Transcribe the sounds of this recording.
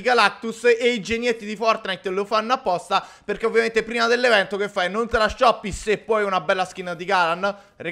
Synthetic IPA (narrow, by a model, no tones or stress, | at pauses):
iɡalak̚t̪useid͡ʒenjet̪ːid̪ifɔrt̪najt̪lofanːoapːɔst̪aperk̟eovːjament̪epɾiːmad̪elːevɛnt̪okefːajnont̪elaʃːɔpːisepːɔjunabɛlːask̟inad̪iɡalan | re